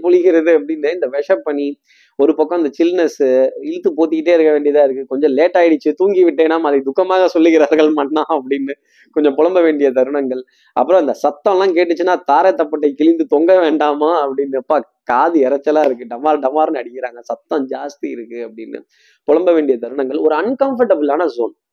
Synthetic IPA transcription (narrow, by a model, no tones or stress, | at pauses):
pʊɻɪɣɪɾɐðɯɐp̬ːɐɽɪnːɯɪnd̪ɐʋɛʂɐpːɐɳːi | ɔɾɯpɐkːɐ̃ɐnd̪ɐt͡ʃɪlnɐsɪlt̪ːɯpoːt̪ːɪkːɪʈːeːɪɾɯkːɐʋeːɳɖɪjɐðãːɪɾɯkːɯkɔɲd͡ʒɔ̃leːʈːaːjɪɽɯt͡ʃːɯt̪uːŋɡiʋɪʈːeːnaːmaːðɐɪd̪ʊkːɐmaːɣɐsɔlːɯɣɪɾaːɾɣɐɭmaːʈːɐnãːɐpːɐɽɪnːɯ | kɔɲd͡ʒɔ̃pɔɭɐmbɐʋeːɳɖɪjɐt̪̬ɐɾɯɳɐŋɡɐɭ | ʔɐ̰pːɯɾɔ̃ɐnd̪ɐsɐt̪ːɐ̃lãːkeːʈ̬ːɯt͡ʃːɯnːaːt̪aːɾɐt̪ːɐpːɐʈːɐɪkɪlɪnd̪ɯt̪ɔŋɡɐʋeːɳɖaːmaːɐpːɐɽɪnːɯɐpːaː | kaːðɯɛɾɐt͡ʃːɐlãːɪɾɯkːɯɖɐmaːɾɖɐmaːɾnɐɽɪkːɪɾaːŋɡɐsɐt̪ːɐ̃d͡ʒaːst̪iɪɾɯkːɯɐpːɐɽɪnːɯ̰ | pɔɻɐmbɐʋeːɳɖɪjɐt̪ɐɾɯɳɐŋɡɐɭɔɾɯɐnkɐmfɐɾʈɐbɯlaːnɐzoːn